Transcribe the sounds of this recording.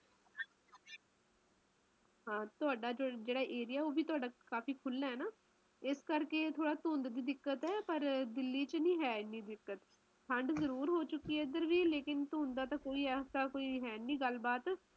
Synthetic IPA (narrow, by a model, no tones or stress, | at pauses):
ɦãːt̪ʊaːɖaːd͡ʒd͡ʒeːɽaːʔeːɾɪjaːɛoːbʱiːt̪ʊaːɖaːkaːfiːkʰʊlːaːɦɛːnaː | ɪskəɾkeːt̪ʰoːɽaːt̪õːnd̪d̪iːd̪ɪkːət̪ɦɛːpəɾd̪ɪlːiːt͡ʃnĩːɦɛːɪnːiːd̪ɪkːət̪ | pʰəɳɖzəɾuːɾɦoːt͡ʃʊkːiːɛːɪd̪əɾʋiːleːkɪnt̪õːnd̪aːt̪ãːkoːiːɛːsaːkoːiːɦɛːniːɡəlbaːt̪